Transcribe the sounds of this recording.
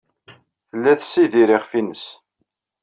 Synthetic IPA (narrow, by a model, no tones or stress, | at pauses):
θəlːæθsːiðiɾɪʁfinəs